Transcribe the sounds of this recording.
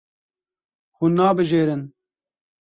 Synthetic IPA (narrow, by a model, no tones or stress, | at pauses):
hunːɑːbɨʒeːɾɨn